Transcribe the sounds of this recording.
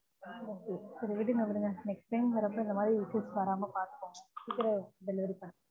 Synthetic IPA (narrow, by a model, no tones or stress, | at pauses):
oːkeːsɐɾʋɪʈ̬ːinɐkɐɽɯŋɡɐnɛksʈʈɐɪmʋɐɾɐpːõːɪnd̪ɐmaːd̪ɾiɪseːsʋaːɾaːmɐpaːɾt̪ɯ̥kːõːŋɐsikːɪɾɐɖɛlɪʋɐɾipːaː